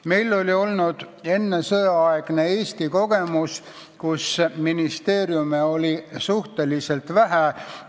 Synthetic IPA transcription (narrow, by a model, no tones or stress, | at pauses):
me̞jlːo̞lʲio̞lnud̪̥ | e̞nːe̞sɤjɑɑeɡ̥ne̞e̞ːst̪iko̞ɡe̞mus | kusminist̪e̞ːɾjumeo̞lʲisuht̪e̞lise̞lt̪væɦæ